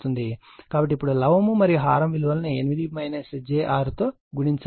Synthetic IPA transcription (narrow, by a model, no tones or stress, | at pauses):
t̪und̪i | kaːbɐʈ̬ːipːuɽulɐʋɐmumɐɾijuɦaːɾɐmʋiluʋɐlɐnɐenimid̪imɐjnɐsed͡ʒeːʔaːɾut̪oː | ɡuɽiɲt͡ʃ